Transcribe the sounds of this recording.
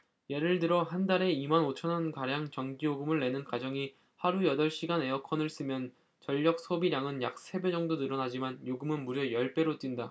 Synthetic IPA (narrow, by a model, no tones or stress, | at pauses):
je̞ɾɯɭdɯɾʌɦandaɾe̞imanot͡ɕʰʌnʌnkaɾjaŋt͡ɕʌŋɡijoɡɯmɯɭːe̞nɯnkad͡ʑʌŋi | haɾujʌdʌɭɕ͈iɡanɦe̞jʌkʰʌnɯɭs͈ɯmjʌn | t͡ɕʌʎːʌk̚s͈ʰobiɾjaŋɯnjak̚sʰe̞be̞d͡ʑʌŋdonɯɾʌnad͡ʑimanjoɡɯmɯnmuɾjʌjʌɭp͈e̞ɾot͈winda